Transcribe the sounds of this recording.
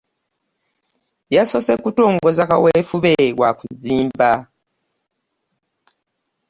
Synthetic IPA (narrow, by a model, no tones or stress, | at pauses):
jaso̞sekutoːŋɡo̞zakaweːfuβeɣwa̰kuziːmba